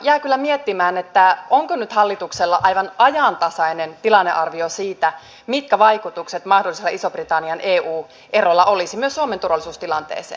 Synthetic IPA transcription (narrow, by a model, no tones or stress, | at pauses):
jæːkylːæmiet̪ːimæːnet̪ːæoŋkonyt̪hɑlːit̪ukselːɑʔɑjʋɑnɑjɑnt̪ɑsɑinent̪ilɑnːeʔɑrʋiosiːt̪æ | mit̪̚kæʋɑjkut̪ukset̪mɑhdoliselːɑisob̥rit̪ɑnːiɑnʔeːʔuː | ʔerolːɑʔolisimyøsːuoment̪urʋɑlisuːst̪ilɑnt̪ḛːsḛː